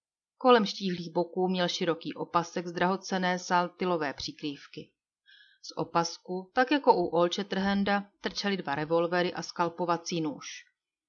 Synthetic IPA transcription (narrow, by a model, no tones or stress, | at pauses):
ko̞lɛmʃciːɦliːɣbo̞kuːmɲɛlʃɪɾo̞kiːʔo̞pasɛɡzd̪ɾaɦo̞t͡sɛnɛːsalt̪ɪlo̞vɛːpr̝̥ikɾiːfkɪ | sʔo̞paskut̪akjako̞ʔuʔlt͡ʃɛt̪r̩ɦɛndat̪r̩t͡ʃɛlɪdvaɾɛvo̞lvɛɾɪʔaskalpo̞vat͡siːnuːʃ